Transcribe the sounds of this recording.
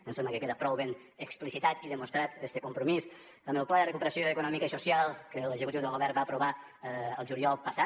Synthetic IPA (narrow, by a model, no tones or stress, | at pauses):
ənsemləkəkeðəpɾɔwβen | əksplisit̪at̪iðəmust̪ɾat̪est̪əkumpɾumis | əmɛwplaðərəkupəɾəsjoəkunɔmikaisusjalˠkələɡzəkut̪iwðəlˠɣoβɛɾbaəpɾuβa | əlˠʒuliɔlˠpɐsa